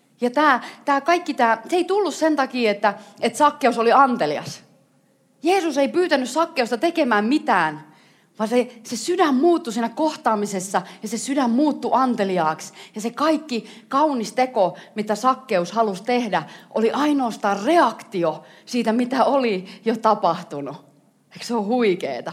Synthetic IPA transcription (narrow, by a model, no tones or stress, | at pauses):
jɑt̪æːt̪æːkɑikːit̪æːseit̪ulːussent̪ɑkiːet̪ːæet̪sɑkːeusoliɑnt̪eliɑ̰s | jeːsuseipyːt̪ænːyssɑkːeust̪ɑt̪ekemæːmmit̪æːn | ʋɑnsesesydæmmuːt̪ːusiːnækkoht̪ɑːmisesːɑjɑsesydæmmuːt̪ːuʔɑnt̪eliɑːksjɑsekɑikːikɑunist̪ekomit̪æsɑkːeushɑlust̪ehdæʔo̰liʔɑinoːst̪ɑːrreɑkt̪io | siːt̪æmit̪æolijot̪ɑpɑht̪unu | ekseohuikḛːt̪ɑ